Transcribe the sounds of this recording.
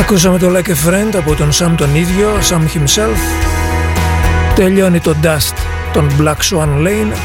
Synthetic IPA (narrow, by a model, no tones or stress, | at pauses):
ɐkus̬ɐme̞t̪olɐkefɾend̪ɐpot̪o̞nsɐmt̪oniðʝo̞sɐmçimself | t̪e̞ʎo̞nit̪o̞d̪ɐst | t̪ːo̞nblɐksɐnlejn